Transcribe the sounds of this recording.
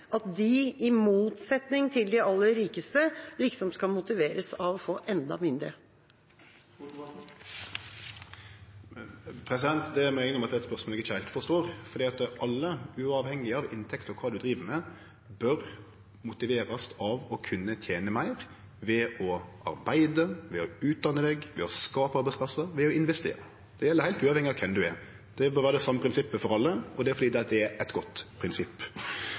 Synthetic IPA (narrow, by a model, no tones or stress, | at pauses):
ʔɑt̪̚d̪ɪɪmuːt̪sɛt̪nɪŋt̪ʰɪld̪ɪɑlːəɾiːkəst̪əlɪksɔmskɑlmʊt̪ɪʋeːɾəsɑʋɔfoːʔɛnd̪ɑ̰mɪnd̪ɾə | pʰɾɛsɪd̪ɛnt̪d̪ɛæmæɪnːəɔmɑt̪d̪ɛt̪spœʁsmolɛɡɪçəæɪlt̪fɔst̪oːɾfɔɾd̪iːɑt̪ʔɑlːəʉɑːʋhɛŋːɪɑʋɪnt̪ʰɛkt̪ɔkʰʋɑːd̪ʉd̪ɾiːʋəmɛ | bœɾ | mʊt̪ɪʋeːɾɑsɑʋɔkʰʉnːət̪ʰjeːnəmæɪɾ | ʋɛɔʔɑ̰ɾbæɪd̪əʋɛɔʉːt̪̚d̪ɑnːəd̪ɛɡʋɛɔskɑːpəɑɾbæɪspʰlɑsːəɾʋɛɔɪnʋɛst̪ḛːɾə | d̪̥ɛjɛlːəɾhæɪlt̪ʉːɑʋɛŋɪɑkʰɛmd̪ʉɛɾ | d̪̥ɛbœɾʋæːɾəd̪ɾɛsɑmːəpʰɾɪnsɪpːəfɔɾɑlːəʔɔd̪ɛæɾfɔd̪iːd̪ɛd̪ɛæɾʔɛt̪ɡɔt̪ːpʰɾɪnsɪpː